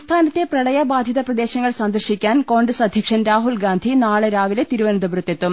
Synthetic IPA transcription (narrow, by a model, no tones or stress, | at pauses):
st̪ʰaːnɐt̪ːeprɐɽɐjɐbaːd̪ʱjɐðɐprɐd̪eːɕɐŋːɐɭsɐnd̪ɐrɕikʲːaːnko̞ːɳɖrɐsɐd̪ʱjɐkʂɐnɾaːɦulɡaːnd̪ʱinaːɭeɾaːʋilet̪iɾuʋɐnɐnd̪ɐbɾut̪ːet̪ːum